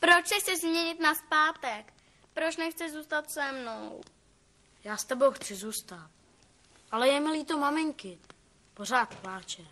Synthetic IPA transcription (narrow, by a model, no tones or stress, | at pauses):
pɾot͡ʃsɪxsɪzmɲɛɲɪt̪naspaːt̪ɛk | pɾot͡ʃnɛxt͡sɪzuːst̪at̪sɛmnow | jaːst̪ɛbowxt͡sɪzuːst̪at̪̚ | ʔalɛjɛmɪliːt̪o̞mamɪŋkɪ | po̞r̝aːt̪plaːt͡ʃɛ